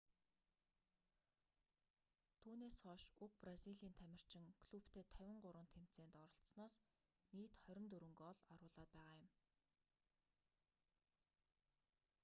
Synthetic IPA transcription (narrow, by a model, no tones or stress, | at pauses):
t̪ʰuːneːsχɔːʃuk̚prasiɮiːnt̪ʰæmʲɪ̆r̥t͡ɕɪ̆ŋkʰɮupt̪ʰeːt̪ʰːæwʲɪ̆ɴɢʊɾwə̆nt̪ʰem̥t͡seːnt̪ɔɾɞ̆ɬt̪snaːs | niːt̪χœɾʲɪ̆nt̪ɵɾɵ̆ŋɡɔɮɔɾʊːɮaːt̪̚pæːʁaːjʊm